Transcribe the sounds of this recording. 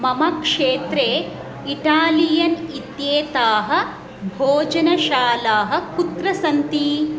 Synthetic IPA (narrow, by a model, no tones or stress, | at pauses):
mɐmɐkʂeːt̪ɾeː | iʈaːlijɐnit̪jeːt̪aːɦɐ̆ | bʱoːd͡ʒɐnɐʃaːlaːɦɐ̆kut̪ɾɐsɐnt̪i